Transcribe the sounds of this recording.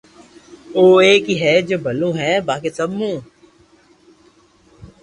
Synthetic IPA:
oːeːkiɦɛd͡ʒoːbʱəlõːɦɛːbaːkesəmːũː

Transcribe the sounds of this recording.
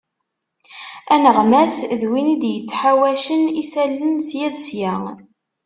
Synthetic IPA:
ænəʁmæsðwinid̪jət͡sːħawæʃənisælːənsjæðsjæ

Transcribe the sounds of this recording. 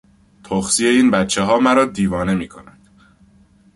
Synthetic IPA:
t̪ʰoxsije̞iːnbæt̪t͡ʃʰːeɦɒːmæɾɒːd̪iːvɒːne̞miːkʰo̞̰nænd̪̥

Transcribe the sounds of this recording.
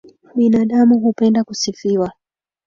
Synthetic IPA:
ɓinaːɗamuɦupɛndakusifiwa

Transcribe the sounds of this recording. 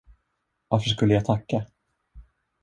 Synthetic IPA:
vaɾfœəʂ̬kɵlːəjat̪ʰakːa

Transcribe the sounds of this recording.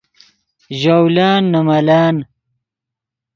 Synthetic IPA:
ʑawlaːnːɐmɐlaːn

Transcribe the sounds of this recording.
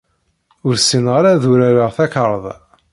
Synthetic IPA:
ʊɾsinʁaɾaðuɾæɾəʁθækəɾˤəðˤ

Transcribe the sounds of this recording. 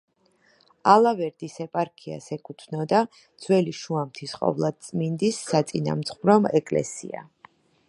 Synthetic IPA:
alˠavɛɾd̪isɛpʼaɾkʰia̰sɛkʰʼut̪ʰnɔd̪a | d̪z̥wɛliʃuamt̪ʰisqʼɔ̰vlˠad̪̚t̪sʼmind̪isːat̪sʼina̰mt̪sχvɾɔmɛkʼlɛ̰sḭa̰

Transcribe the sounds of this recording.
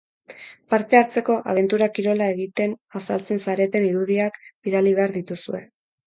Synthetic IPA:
paɾt̪e̞aɾt͡se̞ko̞ʔa̰β̞e̞nt̪uɾakiɾo̞lae̞ɣit̪e̞nasalt͡se̞nsaɾe̞t̪e̞niɾuð̞iakbiðaliβe̞aɾðit̪usue̞̰

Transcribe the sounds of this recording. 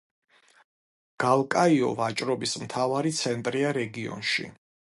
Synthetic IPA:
ɡ̥alˠkʼaiɔ̰vat͡ʃʼɾɔbismt̪ʰavaɾit̪sʰɛnt̪ʼɾiaɾɛɡiɔ̰nʃḭ

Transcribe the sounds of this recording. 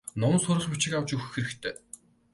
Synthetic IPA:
nɔmnsʊɾə̆ɮput͡ɕɪ̆kawt͡ɕɵx̆xeɾɘ̆kt̪ʰeː

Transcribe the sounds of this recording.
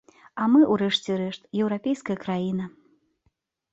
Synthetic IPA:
ɐmɨʔuɾɛʂt͡sʲɛɾɛʂt̪jɛwɾapʲejskɐjɐkɾajinɐ

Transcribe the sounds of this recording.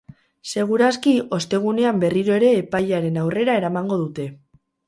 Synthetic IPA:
se̞ɣ̞uɾaskio̞st̪e̞ɣ̞une̞ambe̞riɾo̞e̞ɾe̞ːpajʎaɾe̞nawre̞ɾae̞ɾamaŋɡo̞ðut̪e̞

